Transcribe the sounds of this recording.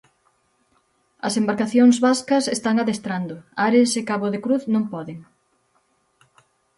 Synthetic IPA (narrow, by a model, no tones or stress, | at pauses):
ɐsembaɾkaθjoŋzβaskɐsest̪aŋaðest̪ɾand̪ʊaɾesekaβoðekɾuθnõmpɔðeŋ